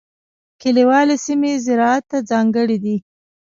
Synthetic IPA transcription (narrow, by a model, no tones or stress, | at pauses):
kɪliwɑlesimezɪɾɑat̪ːad͡zɑŋɡəɽid̪i